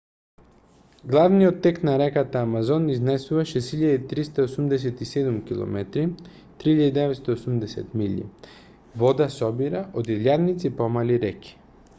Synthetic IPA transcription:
ɡlˠavnijot̪ːɛknaɾɛkat̪aːmazɔniznɛsuvaʃɛsiʎad̪it̪ɾist̪aosumd̪ɛs̬ɛt̪isɛd̪umkilˠɔ̰mɛt̪ɾi | t̪ɾihiʎad̪id̪ɛvɛt̪st̪aosumd̪ɛsɛ̰t̪miʎḭ | vɔd̪asɔbiɾaʔod̪iljad̪nit̪sipɔmaliɾɛki̥

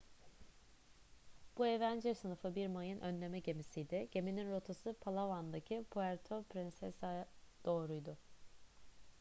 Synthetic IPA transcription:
b̥ue̞vænd͡ʒɛɾsɯnɯfɯbiɾmajɯnʔø̞nlʲe̞mɛɟe̞misijd̪ɪɟ̥e̞mininɾo̞t̪ʰasɯpʰalˠavand̪acʰipʰuæɾt̪ʰopɾinsɛsajad̪̥o̞ːɾujd̪ʊ

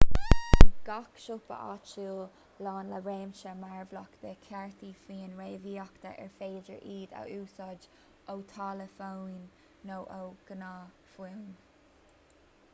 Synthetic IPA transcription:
ɡ̥akʃʊpə̰ʔa̰t͡ʃuː | lɑːnləɹeːmʃəmaɹvlɔkt̪əkʰɛɹt̪ʰifiːnɹeːviːɔkt̪ə̰ʔɛ̰ɹfeːd͡ʒəɹʔiːd̪a̰ʔuːsɔd͡ʒ | owt̪ʰɑːləfoːnː | owʔowɡ̥ənaː | fiwn

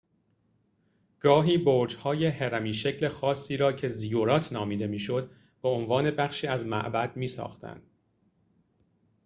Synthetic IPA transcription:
ɡ̥ɒːɦiːboːɾd͡ʒhɒːje̞heɾæmiːʃe̞cʰle̞xɒːsːiːɾɒːcʰe̞zijoɾɒːt̪ʰnɒːmiːd̪e̞miːʃo̞d̪ | b̥eonvɒːne̞bæχʃiːæzmæ̰ʔbæd̪̚miːsɒ̰ːxt̪ʰæ̰nd̪̥̚

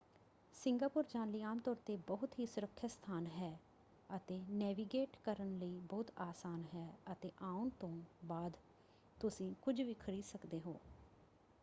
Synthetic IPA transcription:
sɪ̃ŋɡaːpʊɾd͡ʒãːnliːaːmt̪ɔːɾt̪eːbəɦʊt̪ɦiːsʊɾəkʰːast̪ʰaːnɦɛː | ət̪eːnɛːʋiːɡeːʈkəɾənləiːbɔːt̪aːsaːnɦɛːət̪eːʔãːunt̪õːbaːd̪ | t̪ʊsĩːkʊd͡ʒʋiːkʰəɾiːsəkd̪eːɦo̰ː

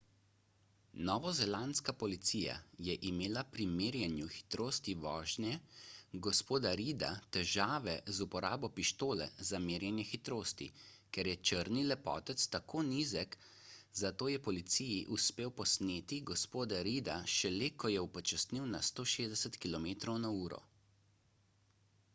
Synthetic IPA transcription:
nɔːʋɔzɛlanskapɔlit̪sija̰jɛʔimeːlapɾimeːɾjɛnjuxi̥t̪ɾoːst̪iʋɔːʒnjɛɡɔspoːd̪aɾid̪a̰t̪ɛʒaːʋɛzupɔɾa̰ːbɔpiʃt̪oːlɛ̰zameːɾjɛnjɛxit̪ɾoːst̪ḭ | kɛɾjɛt͡ʃəɾnilɛpɔ̰ːt̪ɛt̪st̪akʰoːniːzɛk | zat̪oːjɛpɔlit̪sijiʔuspeːwpɔsneːt̪iɡɔspoːd̪aɾiːd̪aʃɛlekɔjɛupɔt͡ʃasniwnast̪oːʃeːzd̪ɛsɛt̪kilɔmeːt̪ɾɔwnauːɾɔ̰

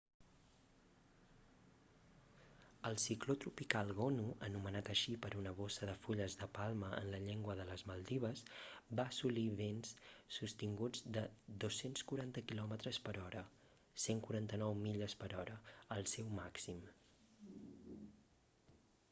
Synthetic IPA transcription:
əlˠsiklot̪ɾupikalˠɣɔnuənumənat̪əʃipəɾʔunəβ̞osəðəfuʎəzðəpalˠməə̰nləʎeŋɡwəðələzməlˠd̪iβ̞əsbaːsuliβenssust̪iŋɡud͡zd̪əd̪osːenskuɾant̪əkilɔmət̪ɾəspəɾɔɾə | seŋkuɾant̪ənɔwmiʎəspəɾɔɾəəlˠsɛwmaksim

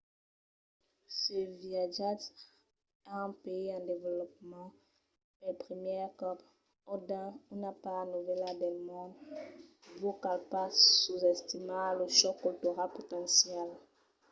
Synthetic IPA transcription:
səviaʒat | aɛ̃peiɑ̃d̪evelɔp̚mɑ̃ | ɛpʁəmjɛʁkɔp | ɔd̪ɑ̃ynapaʁnuvɛlad̪ɛlmɔ̃d̪ | vokalpasuzɛst̪imãləʃɔkːɔlt̪oʁapot̪ɑ̃sjɛl

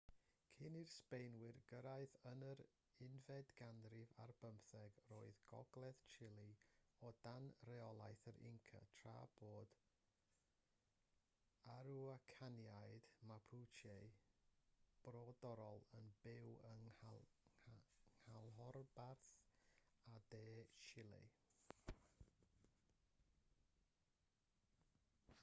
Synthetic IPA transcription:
kʰɪnirspejnwɪrɡəɾaɨθənəɾ | ɪnvɛdɡandrɪva̰rbəmθɛɡroːɨðɡɔ̰ɡlˠɛðt͡ʃʰɪlˠiɔdanrɛɔlˠajθəɾɪ̰ŋkʰa̰tʰra̰ːb̥oːd̥ | aɾuakʰanjaɨd̥mapʰut͡ʃʰe | b̥roːdɔɾɔlˠənbɪwəŋ | ŋhalˠɦɔrbarθ | adeːt͡ʃɪlˠḭ

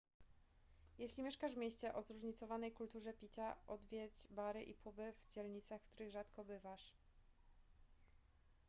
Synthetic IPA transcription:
jɛɕlʲimʲeɛʂkaʐvmʲeɕt͡ɕɛʔɔzɾuʐɲit̪sɔvanɛjkult̪uʐɛpʲit͡ɕaʔɔd̪vʲjɛd͡ʑbaɾɘʔipʰubɘvd͡ʑɛlɲit̪saxft̪uɾɘɣʐat̪kɔbɘvaʂ

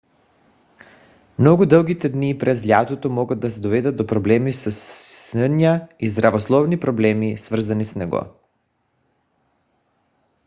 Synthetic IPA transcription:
mnɔɡud̪əlˠɡit̪ɛd̪nipɾɛzlʲjat̪ot̪omɔɡad̪̚d̪asɛd̪ovɛd̪ad̪d̪ɔpɾɔblɛmisəsənaizd̪ɾavoslˠɔvnipɾɔblɛmisvr̩zanisnɛɡɔ̰

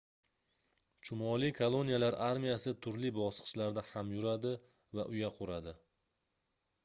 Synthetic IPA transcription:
t͡ʃʰʊmɒlˠikʰolˠo̞nijalaɾʔaɾmijasɪt̪ʰʊɾlɪbɒsqɨ̥ʃlaɾd̪ahamjʊɾad̪ɪ | vaʔʊjaqʰʊɾad̪ɪ

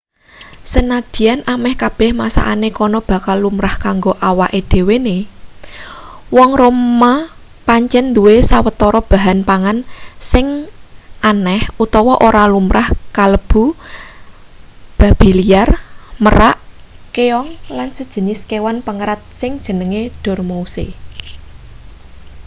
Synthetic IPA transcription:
sənad̪̥i̤anʔamɛhkab̥ɛ̤hmasa̰ʔanekɔnɔb̥ä̤kalːumɾahkaŋɡoʔawaʔed̪̥e̤wene | wɔŋroma | paɲt͡ʃɛnd̪uwesawət̪ɔɾɔb̥a̤ɦanpaŋansɪŋʔanɛhut̪ɔwɔʔoɾalumɾʔahkaləb̥ṳ | b̥a̤b̥i̤liarməɾaʔkeɔŋlansəd̥ʒ̥ə̤niskewanpəŋəɾat̪̚sɪŋd̥ʒ̥ə̤nəŋeɖ̥ɔ̤rmousḛ

